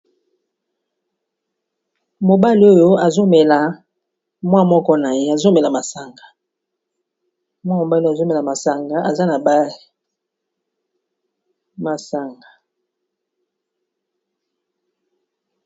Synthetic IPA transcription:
mo˨ba˦li˨˦o˦jo˦a˨zo˦mɛ˨la˨ | mwa˦mɔ˦kɔ˦na˨je˦a˨zo˦mɛ˨la˨ma˨sa˨ŋɡa˨ | mwa˦mo˨ba˦li˦a˨zo˦mɛ˨la˨ma˨sa˨ŋɡa˨ʔa˨za˦na˨ba˦i˨ | ma˨sa˨ŋɡa˨

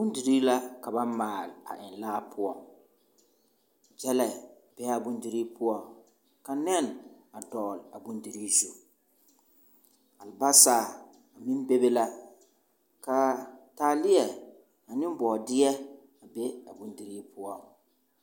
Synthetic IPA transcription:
bʊ˦n˦di˨ɾiː˦la˦ka˨ba˦maː˨la̰˨ʔɪ˨nlaː˦pʰʊ˦ɔ˨ | d͡ʒɛ˦lɛ˨ | b̥ɛ˦a˨bʊ˦ndi˦ɾiː˦pʰʊ˦ɔ˦ | ka˨nɛ˦˨n | a˨dɔ˨la˨bʊ˦ndi˨ɾiː˦zu˨ | a˨lba˦saː˨ | a˨mi˦n˦be˦be˦la˦ | ka˨taː˨lɪ˦jɛ˨ | a˨nɪ̃˦m˦bɔ˨dɪ˦jɛ˦ | a˨bɛ˦a˨bʊ˦ndi˨ɾiː˦pʰʊ˦ɔ˦

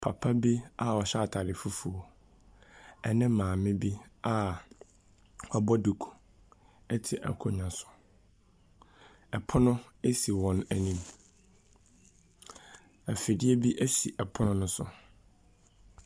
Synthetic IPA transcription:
pʰa˨pʰa˦bi˦a˨ɔ˨ɕa˦˨tʰa˨ɾɪ˨fu˦fu˨o˨ | ɛ˨nɪ̃˦mːãː˨mɪ̃˦bi˦a˦ | wɔ˨bɔ˦du˨kʰu̥˨ | ɛ˦tʰɪ˨ʔɛ̰˨kʰɔ˦ɲã˨sʊ̥˨ | ɛ˨pʰʊ˦nʊ̃˦e˦si˨wɔ̃˦næ˨nĩ˦m | æ˨fɪ˨dɪ˦ɛ˦bi˦ʔæ˦sḭ˨ʔɛ˨pʰʊ˦nʊ̃˦nʊ̃˦sʊ̰˨

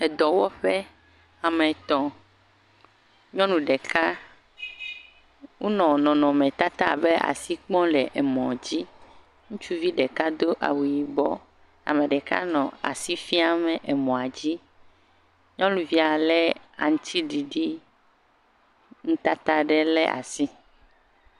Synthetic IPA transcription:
ɛ˨d̪ɔ˨wɔ˦ɸɛ˦ | a˨mɛ̃˨t̪ɔ̃˨ | ɲɔ̃˦nũ˨ɖɛ˨ka˦ | wu˦nɔ̃˨nɔ̃˨nɔ̃˨mɛ̃˨t̪a˦t̪a˦˨bɛ˦ʔa̰˨si˦k͡pɔ̃˦lɛ˨ʔe˨mɔ̰̃˨d͡ʑi˦ | ŋũ˦t͡ʃu˦vi˦ɖɛ˨ka˦d̪o˦ʔa̰˨wu˨ji˨bɔ˦ | a̰˨mẽ˨ɖɛ˨ka̰˦nɔ̃˨a̰˨si˦fi˦a˨mɛ̃˨ʔɛ˨mɔ̃˨a˨d͡ʑi˦ | ɲɔ̃˦lũ˨vi˦a˨lɛ˦a̰˨ŋ̩̃˦t̪i˦ɖi˨ɖi˦ | ŋũ˦t̪a˦t̪a˦ɖɛ˦lɛ̰˦ʔa̰˨si˦

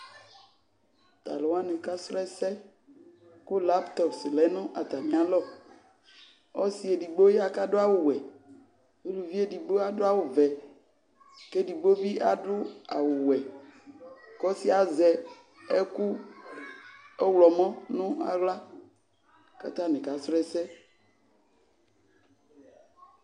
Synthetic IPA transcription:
t̪a̰˨lo˨˦a˦ne˨ka˦slɛ˦sɛ˦ | kʊ˦la˦pt̪ɔ˨psi˨lɛ˨˦nʊ̃˦ʔa˨t̪a˨mĩ˨˦a˨lɔ˦ | ɔ˦si˨e˨ɖi˨ɡ͡bo˦ɛ˦a˦ka˦ɖʊ˦a˦˨wo˨wɛ˨ | e˦lu˨vi˦e˦ɖi˨ɡ͡bo˦a˦ɖo˦a˨wo˨vɛ˨ | ke˦ɖi˨ɡ͡bo˦vi˦ʔa˨ɖʊ˦a̰˨wʊ˨wɛ˨ | kɔ˦si˦a˨zɛ˨ | e˦ku˦ | ɛ˦wlɔ˨mɔ̃˦nʊ̃˦a̰˨ɣla˦ | ka̰˨t̪ã˦nɛ̃˨ka˨sɾɛ˦sɛ˦

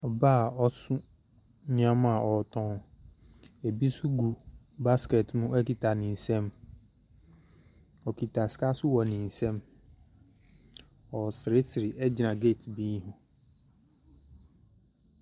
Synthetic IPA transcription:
ɔ˨baː˦˨ɔ˦sʊ˦ | nɪ̃˨˦ã˦mã˨ʔɔ˨tʰɔ̃˨˦ | e˨bi˦sʊ˦ɡu˨ | ba˦ske˨tnʊ̃˦ɛ˦ki˨tʰa˨nɪ̃˨n̩˨sɛ̃˦m | ɔ˨kʰi˨tʰa˨ska˦sʊ˦wɔ˨nɪ̃˨n̩˨sɛ̃˦m | ɔ˨sɪ˨ɾe˦sɪ˨ɾɪ˨ʔɛ˦d͡ʑɪ˨nã˨ɡe˦˨tʰbĩ˦hʊ˨

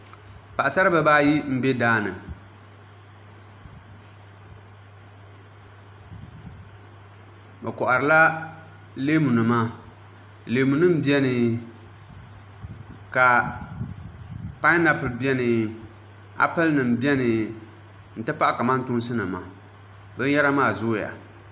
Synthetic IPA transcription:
pa˨ʔa˨sa˦ɾɨ˦bɨ˨ba˦ji˦m̩˦bɛ˦daː˦nɨ˨ | bɛ˨kɔ˨ʔa˨ɾɨ˨la˦ | leː˦mu˨nɨ˨ma˦ | leː˨mu˨nɨ˦m̩˦bi˦ɛ˦nɨ˨ | ka˨ | pa˦ɪ˦na˦pɨ˨lbjɛ˦nɨ˨ | a̰˦pɛ˦lnɨ˨m˨bi˦ɛ˦nɨ˨ | n̩˨tɨ˦pa˦ʔa˦ka˨ma˦n˦tʊ˦nsɨ˦nɨ˨ma˨ | bɨ˦n˦ɛ˦ɾa˦maː˦˨zʊ˦ja̰˨

